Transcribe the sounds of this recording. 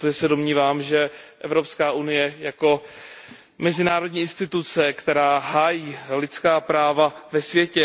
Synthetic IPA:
t̪oʒɛsɛdomɲiːvaːmʒɛʔɛ̰vɾo̞pskaːʔunɪjɛjako̞ | mɛzɪnaːɾodɲiːʔɪnst̪ɪt̪ut͡sɛkt̪ɛɾaːɦaːjiːlɪt̪t͡skaːpɾaːvavɛsvjɛcɛ

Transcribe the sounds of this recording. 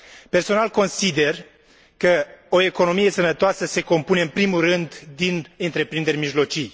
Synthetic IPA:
pe̞rso̞nalko̞nsid̪e̞r | kəoe̞ko̞no̞mije̞sənət̪oasəse̞ko̞mpuneɨnpɾimulrɨnd̪d̪inɨnt̪ɾe̞pɾind̪e̞ɾʲmiʒlo̞t͡ʃij

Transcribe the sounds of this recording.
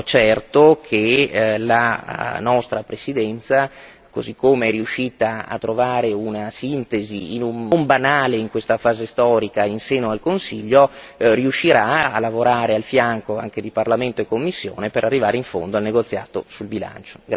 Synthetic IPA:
t͡ʃɛrt̪okʰelanɔst̪ɾapɾesid̪ɛnt̪sa | ko̰zikːomeɛriuʃːiːt̪aa̰t̪ːɾovaːɾeunasint̪eziːnummbanaːleiŋkwest̪afaːzest̪ɔːɾikainseːnoalkonsiʎːoriuʃːiɾaa̰lavoɾaːɾealfjaŋkoaŋked̪iparlament̪oekːomːisːjo̰ːnepeɾʔarːivaːɾeiɱfo̰nd̪oalneɡot̪sːja̰ːt̪o̰sulbila̰nt͡ʃo̥ɡ

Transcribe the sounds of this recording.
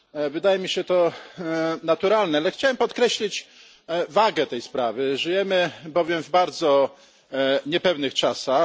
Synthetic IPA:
vɘd̪ajɛmʲiɕɛt̪ɔ | nat̪uɾalnɛalɛxt͡ɕawɛmpɔt̪̚kɾɛɕlʲit͡ɕ | vaɡɛt̪ɛjspɾavɘʐɘjɛmɘbɔvʲjɛmvbaɾd̪zɔ | ɲɛpɛvnɘxt͡ʂasax

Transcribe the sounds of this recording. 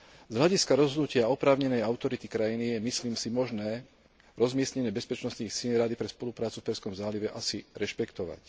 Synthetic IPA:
zɦʎaɟiskaɾɔzɦɔd̪nucɪaɔpɾaːʊɲɛnɛjaʊt̪ɔɾit̪ikɾajinijɛmisliːmsimɔʒnɛː | ɾɔzmɪɛsɲɛɲɪɛbɛspɛt͡ʃnɔst̪niːxsiːnɾad̪ipɾɛspɔlupɾaːt͡sufpɛɾskɔmzaːliʋɛʔasiɾɛʃpɛkt̪ɔʋa̰c

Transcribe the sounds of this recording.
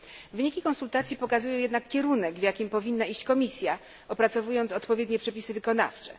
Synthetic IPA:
vɘɲikʲikɔnsult̪at̪sʲjipɔkazujɔw̃jɛd̪nakːʲɛɾunɛɡvjakʲimpɔvʲinːaiɕt͡ɕkɔmʲisʲja | ɔpɾat̪sɔvujɔnt̪sɔt̪pɔvʲjɛd̪ɲɛpʂɛpʲisɘvɘkɔna̰ft͡ʂɛ̰

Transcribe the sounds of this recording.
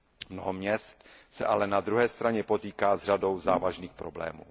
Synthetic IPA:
mnoɦomɲɛst̪sɛ̰ʔalɛnad̪ɾuɦɛːst̪ɾaɲɛpo̞t̪iːkaːzr̝ado̞wzaːvaʒniːxpɾoblɛ̰ːmṵː

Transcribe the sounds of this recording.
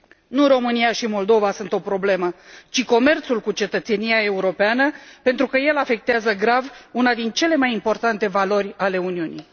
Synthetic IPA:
nuɾo̞mɨniaʃimo̞ld̪o̞vasunt̪o̞pɾo̞ble̞mət͡ʃiko̞me̞rt̪sulkut͡ʃe̞t̪ət̪se̞nijae̞uɾo̞peanəpent̪ɾukəje̞lafe̞k̚t̪eazəɡɾavunad̪int͡ʃe̞le̞majimpo̞rt̪ant̪e̞valo̞rʲale̞uniunḭj

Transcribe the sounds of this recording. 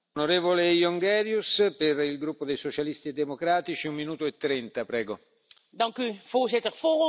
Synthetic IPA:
noɾeːvolejoŋɡɛɾjusperilɡɾupːod̪ejsot͡ʃalist̪ied̪ːemokɾaːt̪it͡ʃiummːinuːt̪oet̪ːɾɛnt̪apɾɛːɡo | dɑŋkyv̥oːzɪtərfoːr

